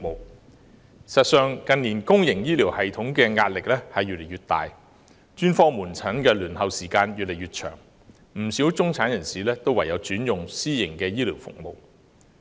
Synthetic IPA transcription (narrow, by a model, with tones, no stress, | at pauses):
mo˨w | sɐ˨t̚sœː˨˧ŋkɐ˨nniː˨˩nkʊ˥ŋjɪ˨˩ŋjiː˥liː˨˩whɐ˨jt̪ʰʊ˨˥ŋkɛː˧ŋaː˧t̚lɪ˨k̚lɛː˥hɐ˨jːy˨le˨˩jɥyː˨t̚t̪a̰ː˨j | t͡ʃyː˥nfɔː˥muː˨˩nt͡sʰɐ˨˥nkɛː˧lyː˨˩nhɐ˨˧wsiː˨˩kaː˧njyː˨t̚le˨˩jɥyː˨t̚t͡ʃʰœ̰ː˨˩ŋ | m̩˨˩siː˨˥wt͡sʊ˥ŋt͡sʰaː˨˥njɐ˨˩nsiː˨˩lɛː˥t̪o˥wɐ˨˩jɐ˨˧wt͡syː˨˥njʊ˨ŋsiː˥jɪ˨˩ŋkɛː˧jiː˥liː˨˩wfʊ̰˨k̚mo̰˨˧w